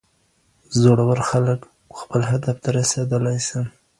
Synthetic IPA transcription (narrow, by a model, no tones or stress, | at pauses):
zoɽawəɾxalək | xpəlɦad̪aft̪ʰaɾased̪əlajsim